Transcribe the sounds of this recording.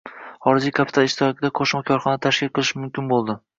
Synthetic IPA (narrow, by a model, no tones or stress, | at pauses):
χɒɾɪd͡ʒijkʰapʰɪt̪ʰalˠɪʃt̪ʰɪɾɒkʲʰɪd̪aqʰoʃmakʲʰɒɾχɒnɪt̪ʰaʃkʲɪlˠqʰɨlˠɪʃmʊmkʲɪnbolˠd̪ɪ